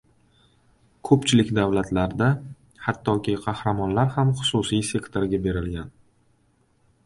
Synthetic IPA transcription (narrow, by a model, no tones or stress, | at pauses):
kʰɵpt͡ʃʰɪlɪkʲd̪avlat̪ʰlaɾd̪a | hat̪ʰːɒkʲɪqʰɑhɾamɒnlaɾhamχʊ̥susijse̞kt̪ʰo̞ɾɡʲabe̞ɾɪlɡʲan